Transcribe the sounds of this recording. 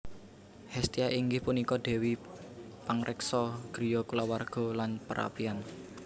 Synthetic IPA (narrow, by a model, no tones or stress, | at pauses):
hɛst̪iaʔiŋɡɪhpunikɔd̪̥e̤wi | paŋrʔɛksɔɡ̥ɾi̤jɔkulawarɡ̥ɔ̤lanpəɾʔa̰pian